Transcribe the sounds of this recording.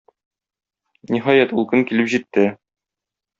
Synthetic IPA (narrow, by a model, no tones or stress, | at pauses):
niɦɒjæt̪ulˠkɘŋkilɘpʑit̪ːɘ